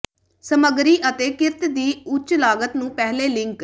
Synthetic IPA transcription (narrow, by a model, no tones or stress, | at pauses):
səməɡɾiːʔət̪eːkɪɾt̪d̪iːʊt͡ʃlaːɡət̪nũːpɛːɦleːlɪŋk